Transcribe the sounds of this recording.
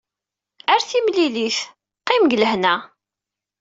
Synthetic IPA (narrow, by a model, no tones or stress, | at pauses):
æɾθimliliθ | qːimɡələhnæ